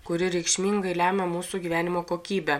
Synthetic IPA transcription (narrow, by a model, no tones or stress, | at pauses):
kʊɾʲɪɾʲɛɪkʃʲmʲiːŋɡɐɪlʲæːmʲɛmuːsuɡʲiːʋʲæːnʲɪmoːkoːkʲiːbʲɛ